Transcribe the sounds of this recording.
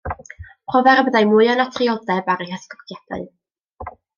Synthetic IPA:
pʰrɔvɛɾəbəðajmʊɨɔnatʰriɔdɛbaɾəhəskɔkʰjɛd̥a̰ɨ

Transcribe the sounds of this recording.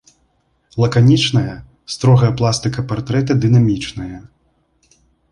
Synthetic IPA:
lˠɐkanʲit͡ʂnɐjɐ | st̪ɾɔɣɐjɐplˠast̪ɨkɐpart̪ɾɛt̪̬ɐd̪ɨnamʲit͡ʂnɐjɐ

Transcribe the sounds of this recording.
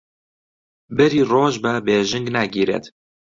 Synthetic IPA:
bɛɾiːroːʒbɛbeːʒɨŋɡnæɡiːɾɛ̰t̪

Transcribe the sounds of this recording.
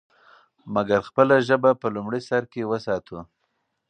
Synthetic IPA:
maɡaɾxpəlaʒəbapəlumɽisaɾkewəsɑt̪ʰu

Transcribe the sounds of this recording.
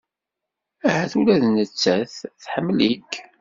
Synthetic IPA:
æhæθulæðnət͡sːæθθħəmːlik

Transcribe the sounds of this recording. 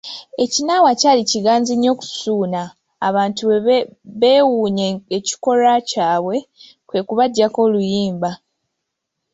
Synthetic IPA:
e̞cinaːwacaːliciɡaːnziɲːo̞ːku̥suːnaː | βaːntuβeːwuːɲeeci̥ko̞ɾacaːβwe̞ | kwe̞ːkuβaɟːako̞ːlujiːmba

